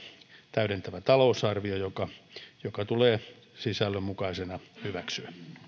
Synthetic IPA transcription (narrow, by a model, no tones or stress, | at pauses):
t̪æyɾent̪æʋæt̪ɑloːsɑrʋiojokɑjokɑt̪uleː | sisælːømmukɑisenɑhyʋæksyæ